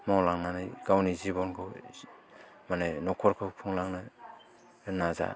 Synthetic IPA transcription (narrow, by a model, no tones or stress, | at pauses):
mawlaŋnanajɡ̥awnizibɔnkʰɯ | manenɔkʰɔɾkʰɯpʰuŋlaŋnɯ | naza̰